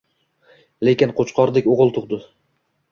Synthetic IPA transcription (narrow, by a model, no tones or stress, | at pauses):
lekʲɪnqʰot͡ʃqʰɒɾd̪ɪkʲoʁɨlˠt̪ʰʊqd̪ɪ